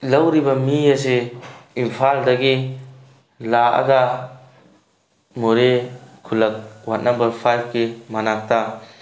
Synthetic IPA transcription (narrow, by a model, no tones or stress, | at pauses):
lɐwɾibɐmias̬eimpʰaldaɡi | laa̰ɡa | moɾekʰulɐk̚wanːambɐɾpʰajp̚ʰkimanak̚ta